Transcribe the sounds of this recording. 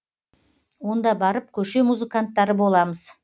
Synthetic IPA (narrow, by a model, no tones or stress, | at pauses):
wo̞nd̪ɑbɑɾəp̚kʲʰɵʃe̞muzɨkant̪ːɑɾəbo̞lˠɑməz̥